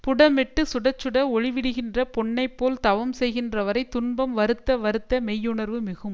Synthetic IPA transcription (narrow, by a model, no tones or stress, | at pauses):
pʊɽɐmɛʈːɯsʊɽɐt͡ʃːɯɽɐɔɻɪʋɪɽɯɣɪndrɐpɔɳːɐɪpːoːlt̪ɐʋɐmsɛjɣɪndrɐʋɐɾɐɪt̪ʊnbɐmʋɐɾɯt̪ːɐʋɐɾɯt̪ːɐmɛjːɯɳɐɾʋɯmɪɣɯm